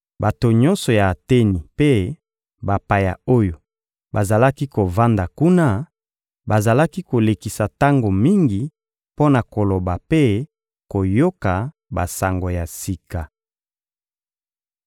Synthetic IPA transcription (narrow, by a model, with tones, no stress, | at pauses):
ba˨to˨ɲɔ̃˦nsɔ˨jaː˨te˦ni˨pe˦ | ba˨pa˨ja̰˨o˦jo˨ | ba˨za˨la˦ki˦ko˨va˦nda˨ku˦na˦ | ba˨za˨la˦ki˦ko˨le˨ki˨sa˨ta˦ŋɡo˨mi˦ŋɡi˨ | po˦na˨ko˨lo˨ba˨pe˦ | ko˨jo˦ka˨ | ba̰˨sa˨ŋɡo˨ja˨si˨ka˨